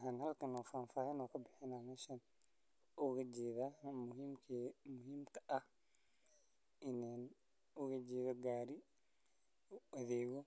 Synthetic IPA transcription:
ɦaːnhɐlkʰɐnɔːfaːnfaːhɐnɔːkʰɐbɪħɪnaːmɛːʃɐn | ʊɣɐd͡ʒɛːðaːʊɦimkʰːmʊɦiːmk̪ʰɐʔɐh | ʔɪnaːn | ʊɣɐd͡ʒɛːðɔɡaːɾɪ | ʊɐðɛːɣɔ

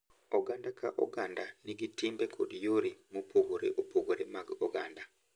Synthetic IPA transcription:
oɡandaka̰ʔo̰ɡandaniɡitimbɛkʰo̰djoɾimupoɡoɾḛʔopoɡoɾemaɡoɡanda

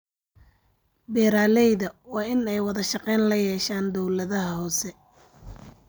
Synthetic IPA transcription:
bɛːɾaːlɛjðɐwɑːɪnɛjwɑðɐʃɑqɛːnlɐjɛːʃaːnd̪ɔwlɐðɐɦɐhɔːsɛ

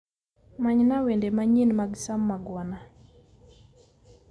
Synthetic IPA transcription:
maɲnawendemaɲinmaɡsamːaɡwɔna

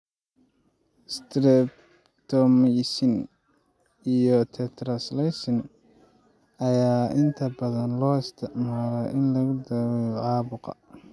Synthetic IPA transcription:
st̪ʰɾɛb | t̪ʰɔmɛsɪn | ijɔt̪ʰɛt̪ʰɾɐslɛjsɪn | ɐjaːʔɪnt̪ʰɐbɐðɐnlɔːɪst̪ʰɪʕmaːlaʔɪnlɐɣʊd̪ɐːwɛjɔʕɑːβʊqɑ̰

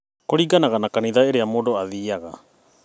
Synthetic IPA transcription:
koɾiɡanaɣanakaniðaeɾeamodoaðiaɣa̰

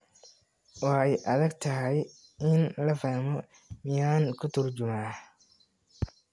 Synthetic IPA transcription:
wɑħɑjʔɐðɐɡt̪ʰɐɦɛj | ɪnlɐfaːhmɔ | mɪjaːŋkʰʊt̪ʰʊrt͡ʃʊmaː

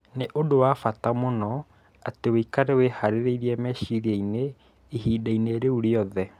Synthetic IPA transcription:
neʔodowafatamonɔ | ateweikaɾɛwehaɾeɾeiɾiɛmɛɕiɾiaine | iɦiːdaineɾeuɾeɔðɛ

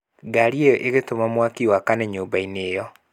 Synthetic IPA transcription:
ɡaɾiejɔʔeɣetomamwakiwakanɛɲoːmbaineːjɔ

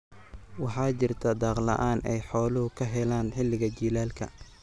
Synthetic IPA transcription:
wɑħɑːt͡ʃɪrt̪ʰɐd̪ɑːqlɐ̰ʔaːnʔɛjħɔːlʊhʊkʰɐɦɛlaːnħɪlːɪɣɐt͡ʃiːlaːlkʰɐ̰

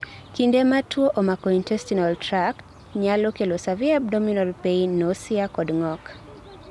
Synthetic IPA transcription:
kindɛmatʰwɔʔɔmakɔintɛstinaltɾak | ɲalɔkelosaviap̚dɔminɔlpeinɔsiakɔdŋɔk

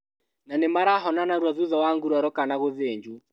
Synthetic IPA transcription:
nanemaɾaɦɔnanaɾwaðuðɔwaŋɡuɾaɾɔkanaɣoðeːɲd͡ʒu

